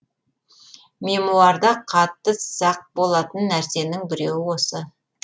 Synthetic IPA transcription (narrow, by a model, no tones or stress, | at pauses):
me̞muɑɾd̪ɑqʰɑt̪ːəsɑq̚bo̞lˠɑt̪ənːæɾse̞nɪŋbɪɾe̞wɪwo̞sə